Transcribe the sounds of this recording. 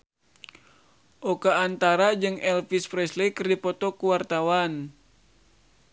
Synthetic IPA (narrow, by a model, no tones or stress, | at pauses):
ʔɔkaːnt̪aɾad͡ʒɨŋɛlfispɾɛslikɨrdipɔt̪ɔkuwart̪awan